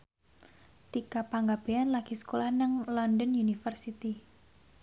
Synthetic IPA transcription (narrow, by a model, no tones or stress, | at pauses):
t̪ikapaŋɡab̥eanlaɡ̥isə̥kolahnəŋlɔndənjunifərsit̪i